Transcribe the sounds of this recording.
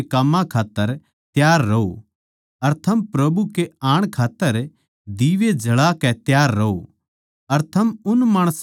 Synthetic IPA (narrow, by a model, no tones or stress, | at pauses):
kamːãkʰaːt̪ːəɾ | t̪jaːɾːɐo̰ | ɐɾt̪ʰɐmpɾɐbukeaːɽ̃kʰaːt̪ːəɾ | d̪iːʋed͡ʒʱɐɭakɛt̪jaːɾːɐo | ɐɾt̪ʰɐmʊnmaːɽ̃əs